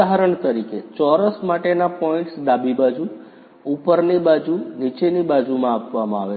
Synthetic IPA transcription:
aɦaɾəɳt̪əɾiket͡ʃɔɾəsmaʈenapɔĩɳʈsd̪abʱibad͡ʒu | upəɾnibad͡ʒunit͡ʃenibad͡ʒumãːpʋamãaʋe

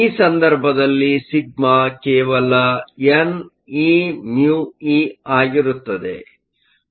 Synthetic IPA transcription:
iːsɐnd̪ɐɾbʱɐd̪ɐlːisiɡ̚makɛːʋɐlɐen | injuːiːaːɡiɾut̪ːɐd̪ḛ

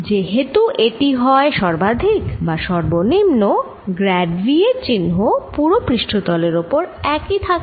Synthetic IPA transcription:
d͡ʑeɦet̪uʔeʈiɦɔeʃɔɾbad̪ʱikbaʃɔɾbonimno | ɡɾɛɖʋiet͡ɕinɦopuɾopɾiʃʈʰot̪ɔleɾopoɾɛkit̪ʰak

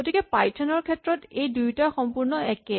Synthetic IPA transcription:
ɡotikɛpajtʰɔnɔɹkʰɛtːɹɔtejdujtaxɔmpuɹnɔɛkɛ

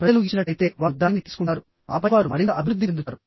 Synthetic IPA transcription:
pɾɐɐluːɡit͡ʃːinɐʈːɐjit̪e̞ːʋaːd̪ːaːnit̪iːsu̥kuɳʈːaːɾu | a̰ːpɐʋaːɾumɐ̰ɾint̪ɐʔɐbʱiɾud̪ːiend̪uaːɾu

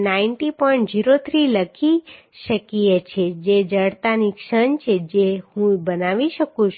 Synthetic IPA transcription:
nainʈipɔĩɳʈd͡ʒiɾot̪ʰɾiləkʰi | ʃəkijet͡ʃʰed͡ʒed͡ʒəɽt̪anikʃənt͡ʃʰed͡ʒehũbənaʋiʃəkũt͡ʃʰ

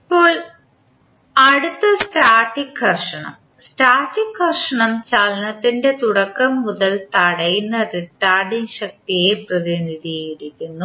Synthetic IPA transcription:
ipːo̞ːɭ | ɐɽut̪ːɐsʈaːʈːikhɐrʂɐɳɐ̰m | sʈaːʈːikhɐrʂɐɳɐmt͡ɕaːlɐnɐt̪ːinde̞t̪uɽɐkːɐmːuðɐlt̪ɐɽɐjunːɐrikːaːrɖiŋɕɐk̚t̪ijeprɐðiniðijiɽikʲːunːu

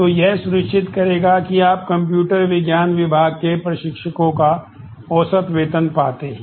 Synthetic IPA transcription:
t̪oːjɛɦsʊɾəkʃɪt̪kɐɾeːɡakiaːp̚kɐ̃mpjuːʈəɾʋɪɡjaːnʋɪbʱaːɡ̚kepɾɐʃɪkʃəkõka | ɔːsət̪ʋeːt̪ənpa̰ːt̪eɦɛ̃ː

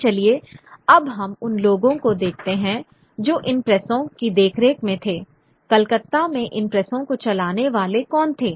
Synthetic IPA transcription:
t͡ʃɐlieɐbɦɐmʊnloːɡõkod̪eːk̚ʰt̪eɦɛ̃ | d͡ʒoːʔɪnpɾɛsõkid̪eːkʰɾeːkmẽt̪ʰeː | kɐlkət̪ːamẽʔɪnpɾɛsõkot͡ʃɐlaːneʋaːlekɔːnt̪ʰeː

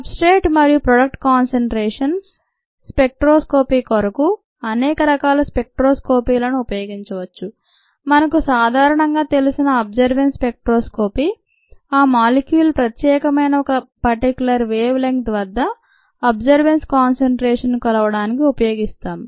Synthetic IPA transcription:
ɐpsʈeːʈmɐɾijupɾɐɖɐk̚ʈkaːnseɳʈɾeːʂɐns | spe̞k̚ʈɾoːsko̞ːpiːkoɾɐku | ɐnɛːkɐɾɐkaːlɐspek̚ʈɾoːsko̞ːpiːlɐnuupɐjo̞ːɡiɲt͡ʃɐʋɐt͡ʃːu | mɐnɐkusaːd̪ʱaːɾɐɳɐŋɡaːt̪e̞lusinɐɐb̚d͡ʒɐɾʋenspek̚ʈɾoːskoːpi | aːmaːlikjuːlpɾɐt̪jɛːkɐmɐjnɐɔkɐpɐɾʈikʲjulɐɾʋeːʋleŋkt̪ʋɐd̪ːɐ | ɐbd͡ʒɐɾʋenskaːnseɳʈɾeːʂɐnkɐlɐʋɐɽaːnikiupɐjo̞ːɡist̪aːm

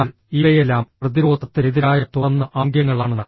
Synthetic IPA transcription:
al | iʋejelːaːmrɐðiɾo̞ːd̪ʱɐt̪ːiniðiɾaːjɐt̪oɐnːɐʔaːŋɡjɐŋːɐɭaːɳɨnɐ

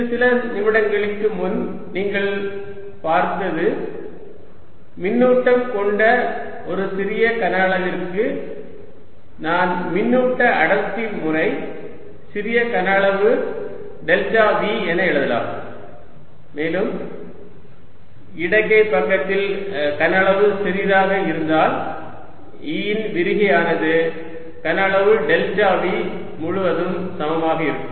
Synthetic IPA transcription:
ɯsɪlɐnɪmɪɽɐŋɡɐɭɪkːɯmʊn | niːŋɡɐɭ | paːɾt̪ɐðɯ | mɪnːuːʈːɐmkɔɳɖɐ | ʔɔɾɯsɪɾɪjɐkɐnɐɭɐʋɪrkɯ | naːnmɪnːuːʈːɐʔɐɽɐt̪ːimʊrɐɪ | sɪɾɪjɐkɐnɐɭɐʋɯ | ɖɛlt͡ʃaːʋiːɛnːɐɛɭɐðɐla̰ːm | meːlɯm | ɪɽɐkːɐɪpːɐkːɐt̪ːɪl | kɐnɐɭɐʋɯsɪɾiːɾaːɣɐɪɾɯnd̪aːl | iːnʋɪɾɪɣɐjaːnɐðɯ | kɐnɐɭɐʋɯɖɛltaːʋi | mʊɻʊʋɐðɯmsɐmɐmaːɣɐɪɾɯkːɯ

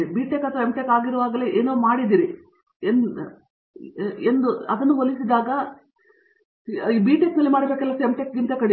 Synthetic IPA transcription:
ibiːʈekɐt̪ʰːʋɐemʈekaːɡiɾuʋaːɡɐleʔeːnoːmaːɽid̪iːɾi | en | end̪uɐd̪ɐnːuolisid̪aːɡɐ | ibiːʈeknɐlːimaːɽiɐbeːkɛlːɐsemʈekɡint̪ɐkɐɽi

